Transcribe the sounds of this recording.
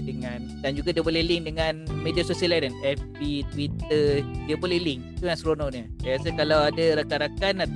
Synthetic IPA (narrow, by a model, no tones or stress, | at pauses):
dəŋandand͡ʒuɡadiəbolɛhliŋdəŋanmediasosiəlajdanɛfpit̪wit̪ədiəbolɛhlɪŋit̪uŋansɾononɲəsajasakalawadaɾakaɾakanat̪